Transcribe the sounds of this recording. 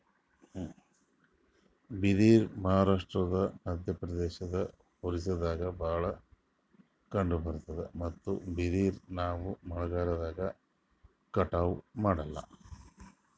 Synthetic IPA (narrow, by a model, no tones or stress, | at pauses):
bid̪iːɾmɐɦaːɾaːʂʈɾɐd̪ɐmɐd̪ʱjɐpɾɐd̪eːʃɐd̪ɐ | huɾisɐd̪aːɡɐbaːɭɐ | kɐɳɖubɐɾt̪ɐd̪emɐt̪ːṵbid̪iːɾnaːʋumɐɭuɡaːɾɐd̪aːɡɐ | kɐʈaːʋumaːɽɐlːɐ̰